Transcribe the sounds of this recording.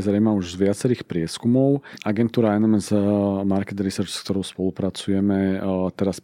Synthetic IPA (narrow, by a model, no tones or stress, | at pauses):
zɾɛmauʒzʋɪat͡sɛɾiːxpɾɪɛskumɔʊaɡɛnt̪uːɾaɛnɔmɛzmaɾkɛt̪ɾisɛɾt͡ʃskt̪ɔɾɔʊspɔlupɾat͡sujɛmɛt̪ɛɾas